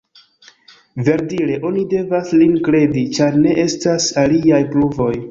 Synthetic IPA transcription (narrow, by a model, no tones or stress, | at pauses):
ve̞ɾdiɾe̞ʔo̞nide̞vaslinkɾe̞dit͡ʃaɾne̞ʔe̞stasaliajpluvo̞j